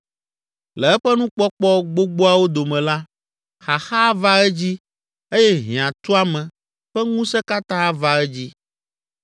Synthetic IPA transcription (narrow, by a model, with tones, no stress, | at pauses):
lɛ˨ɛ˦ɸɛ˦nũ˦k͡pɔ˦k͡pɔ˦ɡ͡bo˦ɡ͡bo˦a˦wo˦d̪o˨mɛ̃˨la˦ | xa˨xa˦va˦ɛ˦d͡ʑi˦ | e˦jɛ˦ɦĩ˨ã˨t̪u˦a˦mɛ̃˨ | ɸɛ˦ŋũ˦sɛ˦ka˦t̪ã˦a˦va˦ɛ˦d͡ʑi˦